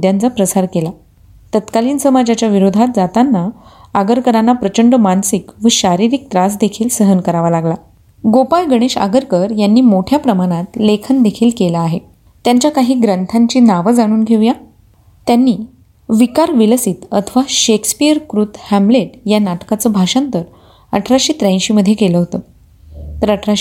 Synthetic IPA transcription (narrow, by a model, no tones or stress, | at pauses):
d̪jant͡sapɾəsaɾkela | t̪ət̪kaliːnsəmad͡ʑat͡ɕjaʋiɾod̪ʱat̪̚d͡zat̪anːaaɡəɾkəɾanːapɾət͡ɕəɳɖəmansikʋəɕaɾiɾik̚t̪ɾasd̪ekʰiːlsəɦənkəɾaʋalaɡla | ɡopajɡəɽ̃eɕa̰ɡəɾkəɾjanːiːmoʈʰjapɾəmaɽ̃at̪lekʰənd̪ekʰiːlkelaːɦe | t̪jaɲt͡ɕjakaɦiːɡɾənt̪ʰaɲt͡ɕiːnaʋəd͡zaɽ̃uːnɡʱeʋja | t̪janːiː | ʋikaɾʋiləsiːt̪ət̪ʰəʋaɕekspijəɾkɾut̪hæmbleʈjanaʈkat͡səːbʱaɕant̪əɾ | əʈʰɾaɕiːt̪ɾəj̃ɕiːməd̪ʱjekeləɦot̪ə | t̪əɾəʈʰɾa